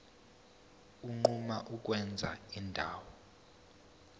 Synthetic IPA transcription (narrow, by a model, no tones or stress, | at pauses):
uŋ͡ǃumaʔuk̬ʼwɛnd͡zʱa̰indʱaːwɔ